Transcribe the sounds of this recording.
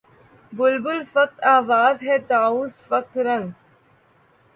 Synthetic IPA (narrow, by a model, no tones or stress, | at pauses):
bʊlbʊlfɐk̚t̪aːʋaːzɦeːt̪aːuːsfɐk̚t̪ɾɐŋɡ